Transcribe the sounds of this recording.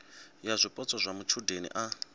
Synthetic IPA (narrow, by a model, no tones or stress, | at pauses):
jazʷipʼɔt͡sʼɔzʷamut͡ʃʰudenḭʔa